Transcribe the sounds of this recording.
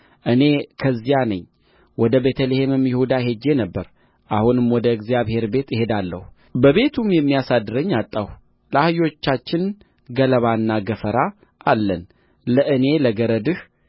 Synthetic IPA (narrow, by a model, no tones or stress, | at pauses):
ʔɨne̞kʰəzːijanəɲː | wɔd̪əbet̪ʰəlehemɨmjɪhud̪aɦe̞d͡ʒːe̞nəbːəɾ | ʔahunɨmwɔd̪əɨɡzijaβhe̞ɾbe̞t̪ɪhe̞d̪alːə̰hu | bəβe̞t̪ʰumjɛmːijasad̪ːɨɾəɲːat̪ʼːah | ləahjo̞t͡ʃːat͡ʃːɪn | ɡələβaɨnːaɡəfəɾa | alːən | ləʔɨne̞ləɡəɾəd̪ɨh